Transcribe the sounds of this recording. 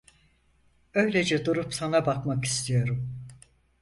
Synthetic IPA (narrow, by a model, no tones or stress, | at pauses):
ø̞jlʲed͡ʒɛd̪uɾupsanabakmaki̥st̪ʰijo̞ɾum